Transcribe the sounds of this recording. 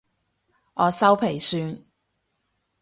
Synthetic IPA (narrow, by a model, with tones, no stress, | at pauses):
ʔɔː˨˧sɐ˥wpʰe˨˩jsyː˧n